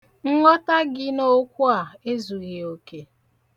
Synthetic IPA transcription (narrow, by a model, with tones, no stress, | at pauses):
ŋ̩˦ŋɔ˦ta˦ɡɪ˦no˦kʷu˦a˨e˦zu˨ɣi˨o˨ke˦